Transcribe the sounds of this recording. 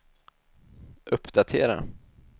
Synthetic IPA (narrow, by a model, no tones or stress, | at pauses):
ʔɵpːd̪at̪ʰeːɾa̰